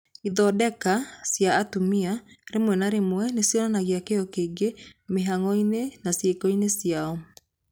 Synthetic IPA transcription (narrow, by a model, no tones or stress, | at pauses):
iðɔdɛkasjaːtumiaɾemwɛnaɾemwɛnesjɔnanaɣeakeɔkeːɡemeɦaŋɔinenasekɔinesjaɔ